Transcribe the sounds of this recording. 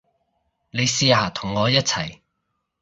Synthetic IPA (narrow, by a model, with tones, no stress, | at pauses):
ne˨˧jsiː˧haː˨˩t̪ʰʊ˨˩ŋːɔː˨˧jɐ˥t̚t͡sʰɐ˨˩j